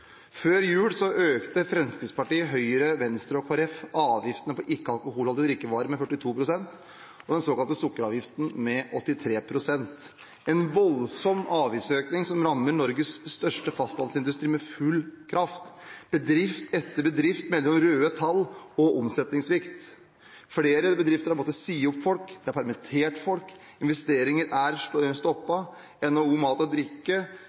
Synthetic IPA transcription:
føːɾjʉːɽsɔʔøːkt̪əfɾɛnskəspɑʈiːəɦœʏəɾəʋɛnst̪ɾəɔkʰoɑɾɛfɑːʋjɪft̪ənəpʰɔʔɪkːəɑlkʊhuːlhɑlɪd̪ɾɪkːəʋɑːɾəmɛfœʈːɪt̪ʰuːpʰɾʊsɛnt̪ | ɔd̪ɛnsoːkɑlt̪əsʊkːəɾɑːʋjɪft̪n̩mɛʔɔt̪ːɪt̪ʰɾeːpʰɾʊsɛnt̪ | ɛnʋɔlsɔmɑːʋjɪsøːknɪŋsɔmɾɑmːəɳɔɾɡəsːt̪œʂʈəfɑst̪ɑnsɪnd̪ʉst̪ɾiːmɛfʉlːkʰɾɑft̪b̥əd̪ɾɪft̪ɛt̪ːəbəd̪ɾɪft̪mɛlːɔmɾøːət̪ʰɑlːɔʔɔmsɛt̪nɪŋsʋɪkt̪ | fleːɾəbəd̪ɾɪft̪əɾɑpmoːt̪əsiːʊpfɔlkd̪ɛæɾpʰæɾmɛt̪ʰeːʈfɔlk | ɪnʋɛst̪eːɾɪŋəɾæɾst̪ɔpːɑ | ɛnouːmɑːt̪ɔd̪ɾɪkːə

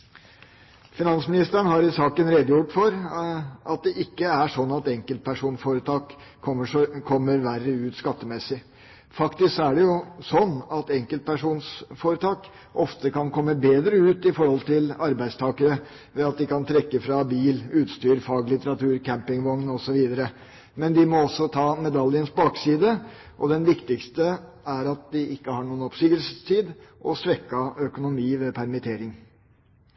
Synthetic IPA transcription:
fɪnɑnsmɪnɪst̪əɳ̩ɦɑɾɪsɑːkənɾed̪əjʊʈfɔɾʔɑt̪̚d̪ɛʔɪkːəæʂɔnːɑt̪ɛŋkəlt̪̚pʰæʂuːnsfoːɾət̪ʰɑːk | ɔəkʰɔmːəɾʋærːəʉːt̪skɑt̪ːəmɛsɪ | fɑkt̪ɪsæɖɛjʊsɔnːɑt̪ɛŋkəlt̪̚pʰæʂuːnsfoːɾət̪ʰɑːk | ɔft̪əkɑnkʰɔmːəbeːd̪ɾəʉːt̪ɪfɔɾhɔlt̪ʰɪlɑɾbæɪd̪st̪ʰɑːkəɾə | ʋɛɑt̪̚d̪ɪkɑnt̪ʰɾɛkːəfɾɑbiːlʉːt̪st̪yːɾfɑːɡlɪt̪əɾɑt̪ʰʉːɾkʰæmpɪŋʋɔŋnɔsɔʋiːd̪əɾə | mɛnd̪ɪmɔɔsːɔt̪ʰɑːmɛd̪ɑljənsbɑːksiːd̪ə | ʔɔd̪ɛnʋɪkt̪ɪkst̪ə | æɾɑt̪̚d̪ɪʔɪkːəhɑɳuːənɔpsyːɡəlsəst̪ʰiːd̪ʔɔsʋɛkːɑœkʊnʊmiːʋɛpʰæɾmɪt̪ʰeːɾɪŋ

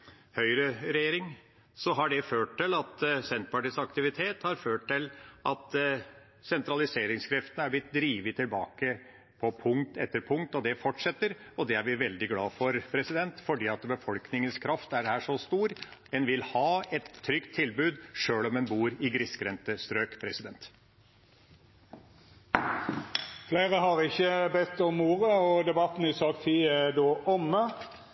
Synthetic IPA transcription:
hœʏɾəɾɛjeːɾɪŋ | sɔɦɑɖɛføːʈʈɪlɑt̪sɛnt̪pɑʈiːsɑkt̪ɪʋɪt̪ʰeːt̪hɑɾføːʈ̚ʈɪlʔɑt̪ | sɛnt̪ɾɑlɪseːɾɪŋskʰɾɛft̪ənəæblɪt̪d̪ɾiːʋət̪ʰːɪlbɑ̰ːkə | pʰɔpʰʊŋt̪ʰɛt̪ːəɾpʰʊŋkt̪ɔd̪ɛfɔʈʂɛt̪ːəɾɔd̪ɛæɾʋɪʋɛld̪ɪɡlɑːfɔɾpʰɾɛsɪd̪ɛnt̪fɔɖiːɑt̪bəfɔlknɪŋənskʰɾɑft̪æɾhæːʂɔst̪uːɾɛnʋɪlhɑːɛt̪ʰːɾʏkt̪ʰːɪlbʉːd̪ʂøːlɔmɛnbuːɾɪɡɾɪskɾɛnt̪əst̪ɾøːkpʰɾɛsɪd̪ɛnt̪ | fleːʁəhɑʁɪçːəbɛt̪ːɔmuːʁəɔd̪ɛbɑt̪n̩ɪsɑkt̪ʰiːæd̪oːʔɔmːə

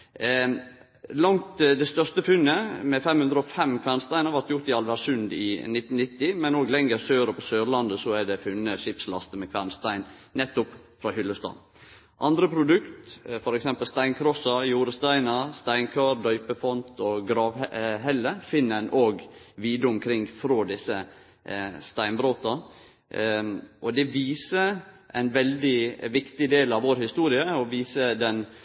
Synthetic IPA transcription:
lɑŋt̪d̪ɛst̪œʂt̪əfʉnːəmɛfɛmhʉnd̪ɾəɔfɛmkʰʋæːɾnst̪æɪnəɾʋɑɾt̪jʊɾt̪ɪɑlʋæsʉnd̪ɪ̰nɪt̪ːnnɪt̪ːɪmɛnoːɡlɛŋəɾsøːɾəpʰɔsøːɾlɑnd̪əsɔæɖ̪ɛfʉnːəʂɪpslɑ̰st̪əmɛkʰʋænst̪æɪnnɛt̪ːʊp | fɾɑːhʏlːəst̪ɑ̰n | ʔɑnd̪ɾəpʰɾʊd̪ʉkt̪fɔɾɛksɛmpəlst̪æɪnkʰɾɔsɑjuːɾəst̪æɪnɑst̪æɪnkʰøːɾd̪œʏpəfɔnt̪ʰɔɡɾɑːʋɦɛlːəfɪnːəɛnʔoːɡʋiːd̪əʊmkʰɾɪŋfɾoːd̪ɪsːə | st̪æɪnbɾoːt̪ɑ | ʔɔd̪ɛʋiːsə | ʔæɪnʋɛld̪ɪʋɪkt̪ɪd̪eːlɑʋoːɾhɪst̪uːɾɪəɔʋiːsəd̪ɛn

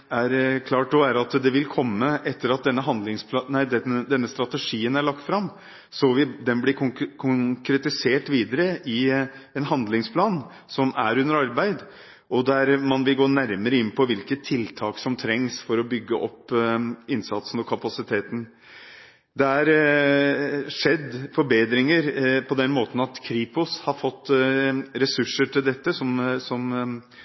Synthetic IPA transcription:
æɾkʰlɑːʈ̪ːɔʋæːɾɑt̪d̪ɛʋɪlkʰɔmːəʔɛt̪ːəɾɑt̪̚d̪ɛnːəɦɑnd̪lɪŋspʰlɑnæɪd̪ɛd̪ɛnːəst̪ɾɑt̪əʂiːənæɭɑk̚t̪fɾɑm | sɔʋɪd̪ɛnblɪkʰʊŋkɾɛt̪ɪseːʈʋiːd̪əɾəʔɪɛnɦɑnd̪lɪŋspʰlɑːn | sɔmæɾʉnːəɾɑɾbæɪd̪ | ɔd̪æɾmɑnʋɪlɡoːnæɾməɾəɪnːpʰɔʋɪlkət̪ʰːɪlt̪ʰɑːksɔmt̪ʰɾɛŋsfɔɾɔbʏɡːəʔɔpː | ɪnsɑt̪sən̩ɔkʰɑpɑsɪt̪ʰeːt̪n̩ | d̪ɛæɾ | ʂɛd̪ːfɔɾbeːd̪ɾɪŋəɾpʰɔd̪ɛnmoːt̪ən̩ɑt̪kʰɾiːpʊshɑɾfɔt̪ːɾɛsʉʂːəʈʰɪld̪ɛt̪ːəsɔmsɔm

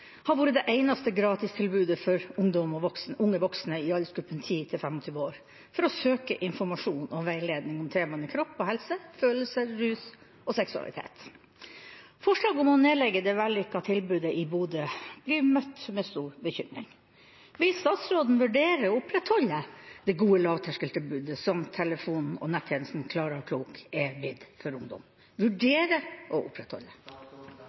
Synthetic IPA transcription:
hɑɾʋuːɾəd̪ɛʔæɪnɑst̪əɡɾɑːt̪ɪst̪ʰɪlbʉːd̪əfɔɾʊŋd̪ɔmɔʋɔksnʊŋːəʋɔksnəɪɑlːəsɡʉpːənt̪ʰiːt̪ʰɪlfɛmɔt̪ʰyːʋəoːɾ | fɔɾɔsøːkə̰ʔɪnfɔɾmɑʂuːnɔʋæɪleːd̪nɪŋɔmt̪ʰeːmɑnəkʰɾɔpːɔɦɛlsəføːləlsəɾʉːs | ɔsɛksʉɑ̰lʔɪ̰t̪ʰḛːt̪ | fɔʂɭɑːɡɔmɔneːlɛɡːəd̪ɛʋælːʏkːɑt̪ʰɪlbʉːd̪əʔɪbuːd̪əb̥liːmœt̪ːmɛst̪uːɾbəçʏmɾɪ̰ŋ | ʋɪlst̪ɑːt̪sɾoːd̪n̩ʋʉɖeːɾəɔʊpɾɛt̪hɔlːəd̪̥ɛɡuːəlɑːʋt̪ʰæʂkəlt̪əbʉːd̪əsɔmt̪ʰɛləfuːnn̩ɔ̰nɛt̪ʰːjɛnəst̪n̩kʰlɑːɾəɾkʰluːkɛʋɪd̪fɔɾʊŋd̪ɔ̰m | ʋʉɖeːɾəʔɔʔʊpʰɾɛt̪hɔ̰lːə

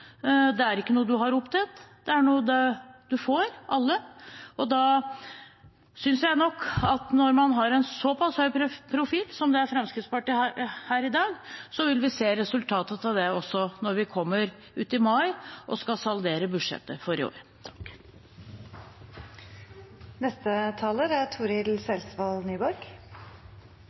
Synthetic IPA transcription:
d̪ɛæɾɪkːənuːəd̪ʉɦɑɾʊpt̪ʰɛt̪d̪̥ɛæɾɳuːəd̪ɛd̪̥ʉfoːɾʔɑlːəʔɔd̪ɑ | sʏnsjæɪnɔkːɑt̪nɔɾmɑnɦɑɾɛnsɔpʰɑshœʏpʰɾʊfiːlsɔmd̪ɛæɾfɾɑmskɾɪt̪spɑʈiːhæːɾɪd̪ɑːɡsɔʋɪlʋɪseːɾɛsʉlt̪ʰɑːt̪ət̪ɑʋd̪ɛɔsːɔnɔɾʋɪkʰɔmːəɾ | ʉːt̪ɪmɑɪʔɔ̰skɑsɑld̪eːɾəbʉd̪ʂɛ̰t̪ːəfɔɾɪo̰ːɾət̪ʰɑ̥k | nɛst̪ət̪ʰɑːləɾæt̪ʰuːɾɪlsɛlsʋɑlnyːbɔɾk

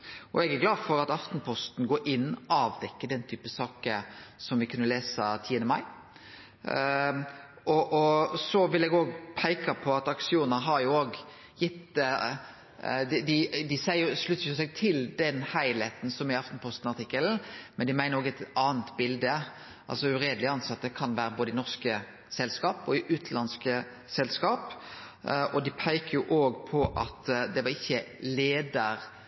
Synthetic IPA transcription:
ɔɛɡæɾɡlɑːd̪fɔɾɑt̪ɑft̪n̩pʰɔst̪n̩ɡoːɾʔɪnːɔɑːʋd̪ɛkːəd̪ɛnt̪ʰyːpəsɑːkəsɔmʋɪkʰʉnːəleːsɑt̪ʰiːənd̪əmɑɪ | ɔʔɔsɔʋɪlɛɡoːɡpʰæɪkɑpʰɔɑt̪ɑksɪuːnəɾɦɑɾjʊoːɡ | jɪt̪ː | d̪d̪ɪd̪ɪsæɪəjʊʂlʉt̪ːəjʊsɛɡt̪ʰɪld̪ɛnhæɪleːt̪n̩sɔmɪɑft̪n̩pʰɔst̪n̩ɑɾt̪ʰɪkːəln̩mɛnd̪ɪmæɪnəɾoːɡæt̪ɑːnt̪bɪld̪ə | ʔɑ̰lsɔʉɾeːd̪əlɪɑnsɑt̪ːəkʰɑnʋæːɾəboːd̪əɪnɔʁskə | sɛlskɑːpɔɪʔʉːt̪ʰlɑnskə | sɛlskɑːp | ɔd̪ɪpʰæɪkəjʊʔoːɡpʰɔʔɑt̪d̪ɛʋɑɾɪçːəleːd̪əɾ

